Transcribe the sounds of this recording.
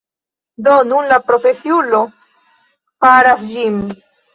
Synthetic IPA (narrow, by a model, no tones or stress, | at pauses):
do̞nunlapɾo̞fe̞siulo̞ | faɾasd͡ʒim